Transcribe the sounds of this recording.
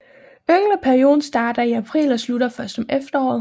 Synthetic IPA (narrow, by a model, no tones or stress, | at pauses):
øŋlɐpʰæɐio̝ːðˠn̩sd̥ɑ̈ːɾ̥ɐiæpʰʁḭːlɒsluɾɐfɶɐsd̥ɒ̽mʔefd̥ɐɒ̰ːð̩ˠ